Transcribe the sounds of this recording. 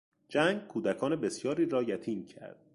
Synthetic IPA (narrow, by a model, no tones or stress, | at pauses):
d͡ʒæŋɡ̚kʰuːd̪ækʰɒːnebe̞sjɒːɾiːɾɒːjæt̪ʰiːncʰæ̰ɾd̪̥̚